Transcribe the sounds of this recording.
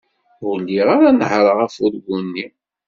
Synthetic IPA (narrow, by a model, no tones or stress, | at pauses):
ʊlːiʁaɾanəhɾˤəʁæfʊɾɡunːi